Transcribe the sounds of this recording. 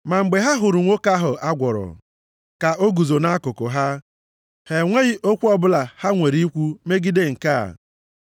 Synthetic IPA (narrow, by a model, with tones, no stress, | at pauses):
ma˨ŋ͡m̩˨ɡ͡be˨ɦa˦ɦʊ˨ɾʊ˨ŋʷo˦ka˦ɦʊ˨ʔa˦ɡʷɔ˨ɾɔ̰˨ | ka˨ʔo˦ɡu˨zo˨na˦kʊ˨kʊ˨ɦa˦ | he˨ŋʷe˦ɣɪ˦ʔo˦kʷu˦ɔ˦bʊ˦la˨ha˦ŋʷe˨ɾi˦kʷu˦me˦ɡi˦de˦ŋ̩˨ka̰˦˨